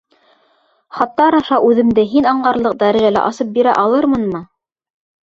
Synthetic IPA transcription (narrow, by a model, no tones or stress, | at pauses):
χɑt̪ːɑɾɑʃɑʔʉðɘ̆md̪ɘɦinɑɴɢɑɾlˠɤq̚d̪æɾæʒælæ̰ʔɑsɤp̚biɾæ̰ʔɑlˠɤɾmɤnmɤ